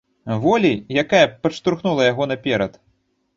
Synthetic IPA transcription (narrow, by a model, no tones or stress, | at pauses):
vɔlʲijakajɐpɐʂt̪uɾxnulˠɐjaɣɔnɐpʲɛɾɐt̪